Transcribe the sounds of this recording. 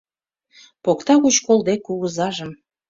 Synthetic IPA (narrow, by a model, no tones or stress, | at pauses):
pokt̪ɑɣut͡ɕkolˠd̪ekuɣəzɑʒəm